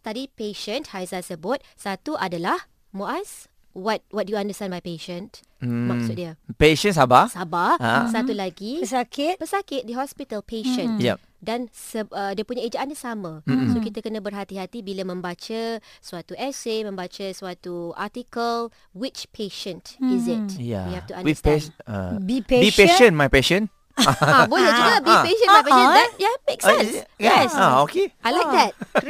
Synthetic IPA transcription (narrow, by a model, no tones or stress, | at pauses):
st̪adipeʃənthajzasəbʊt̪̚sat̪uʔadalah | moʔas | wɔt̪̚wɔt̪̚dujuãndəst̪ãnbajpeʃə̃nt | makksʊt̪̚diəpeʃə̃ns̬abasabahsat̪ulaɡisakɪt̪̚pəsakɪt̪̚dəɦɔspit̪əlpeʃə̃nja | dansəədiəpuɲaid͡ʒaʔandəsamə̃sokit̪akənə̃bərɦat̪iɦat̪ibilamə̃mbat͡ʃəswat̪uɛsemə̃mbat͡ʃəswat̪ua̰tikəl | wɪt͡ʃpʰeʃə̃ntizɪt̚ja̰wihɛft̪uã̰nḭ | bibipeʃə̃nmajpɛʃə̃n | abolət͡ʃuɡəbipeʃə̃nmãjpɛʃə̃ndɛjameksɛ̃nsɡaɛsaokeajlajk̚d̪ɛt̚